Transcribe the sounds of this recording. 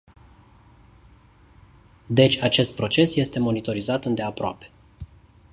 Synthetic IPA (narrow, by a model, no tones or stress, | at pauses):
d̪e̞t͡ʃʲat͡ʃe̞st̪̚pɾo̞t͡ʃe̞sje̞st̪e̞mo̞nit̪o̞ɾizat̪ɨnd̪e̞apɾoa̰pe̞̥